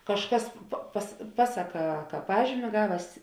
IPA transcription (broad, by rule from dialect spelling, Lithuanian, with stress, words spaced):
kɐʃˈkɐs pɐ pɐs ˈpɑːsɐˌkɑː kɐ ˈpɑːʒʲiːmʲɪ ˈɡɑːʋʲɛs